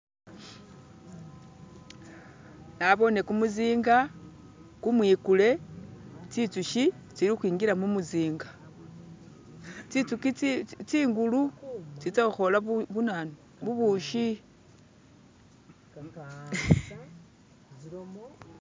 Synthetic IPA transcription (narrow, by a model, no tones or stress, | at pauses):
naβo̞ne̞kumuziːŋɡa | kumwiːkule̞ | t͡sit͡suʃi | t͡siɾixwiːŋɡilamumuziːŋɡa | t͡sit͡sukit͡siːŋɡulut͡sitaxo̞laβunano | βuβuʃi